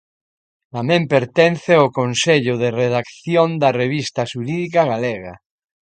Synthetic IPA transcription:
t̪amẽmpeɾt̪enθeokonseʎoðereðakθjond̪areβist̪aʃuɾiðikaɣaleɣa

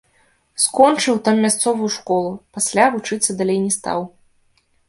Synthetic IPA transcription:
skɔnt͡ʂɨwt̪amːʲast̪sɔvujuʂkɔlˠupasʲlʲavut͡ʂɨt̪sːɐd̪alʲejnʲɛst̪a̰w

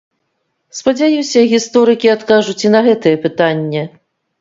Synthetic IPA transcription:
spɐd͡zʲajuwsʲɐɣʲist̪ɔɾɨkʲiat̪kaʐut͡sʲinɐɣɛt̪ɨjɛpɨt̪anʲːɛ

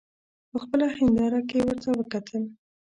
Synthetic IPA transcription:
pəxpəlahɪnd̪ɑɾakewəɾt̪awəkat̪ʰəl

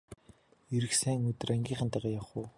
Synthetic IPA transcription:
eɾɘ̆ksæːŋɵt̪̆raŋɡʲiːɴχə̆nt̪æʁaːjawχʊː

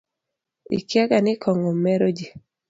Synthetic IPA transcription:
ḭkjaɡanɪkʰɔŋɔmɛɾod͡ʒi

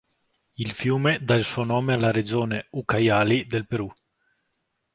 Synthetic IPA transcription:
ilfjuːmed̪ailsuonɔːmealaɾed͡ʒoːneukajaːlid̪elpeɾu

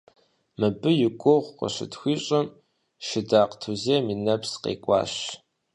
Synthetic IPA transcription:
mɨbɨjɪkʷʼʊʁʷqə̰ɕɪ̰tʰxʷiːɕʼɐm | ʃɪdaːqtʰuzeminɐpsqḛːkʷʼɑ̰ːɕ

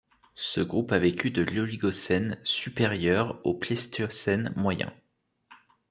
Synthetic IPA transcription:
səɡʁupavekʲyd̪əloliɡɔsɛnsypeʁjœʁoplɛst̪ʰsɛnmwajɛ̰̃

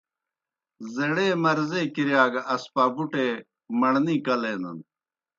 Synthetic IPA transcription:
zeɽeːmɐɾzekiɾjaːɡɐspaːbuʈeː | mɐɳniːkɐleːnɐn

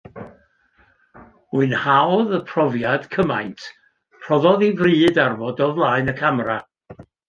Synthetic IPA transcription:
uɨnhawðəpʰr̥ɔvjad̥kʰəma̰jntʰ | pʰrɔðɔðivriːdarvɔdɔvlˠaːɨnəkʰamra

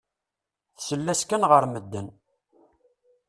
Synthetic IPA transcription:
θsəlːæskænʁəɾməd̪ːən

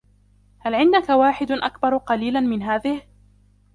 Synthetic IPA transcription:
halʕɪnd̪akawaːħɪd̪ʔa̰kbɑɾˤqɑliːlanmɪnɦaːðɪh

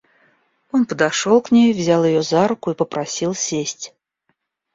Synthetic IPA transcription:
onpəd̪ɐʂolˠknʲejʊvzʲalˠjɪjozaɾʊkʊipəpɾɐsʲilˠsʲesʲtʲ

